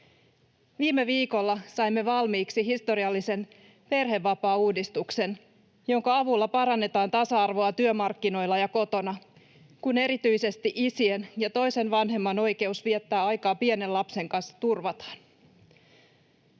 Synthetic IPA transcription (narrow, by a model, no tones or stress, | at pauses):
ʋiːmeʋiːko̞lːɑsɑjmːe̞ʋɑlmiːksiɦist̪o̞ɾiɑlːise̞n | pe̞rɦe̞ʋːɑpɑːuːdist̪ukse̞n | jo̞ŋkɑɑʋulːɑpɑɾɑnːe̞t̪ɑːnt̪ɑsɑɑrʋo̞ɑt̪yømɑrkːino̞jlːɑjɑko̞t̪o̞nɑ | kune̞ɾit̪yjse̞st̪iʔisienjɑt̪o̞jse̞nʋɑnɦe̞mːɑno̞jke̞usʋiet̪ːæːɑjkɑːpiene̞lɑpse̞ŋkɑnsːɑ̥t̪urʋɑt̪ɑ̥n